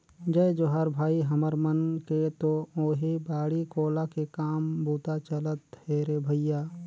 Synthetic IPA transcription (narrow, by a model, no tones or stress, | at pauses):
d͡ʒəjd͡ʒoːɦəɾbʱaːiɦəməɾmənket̪ooːɦibaːɽikoːlakekaːmbuːt̪at͡ʃələt̪ɦeɾebʱəjaː